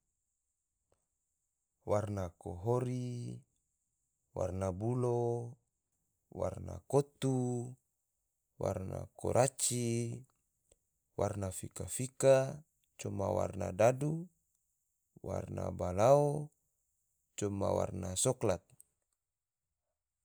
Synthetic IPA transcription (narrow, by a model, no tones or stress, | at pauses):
warnakoɦoɾi | wa̰rnabulo | warnakot̪u | warna̰ko̰ɾʔat͡ʃi | warnafikafika | t͡ʃɔmawa̰rnadadu | wa̰rna̰balao | t͡ʃɔmawa̰rnasɔklat̪̚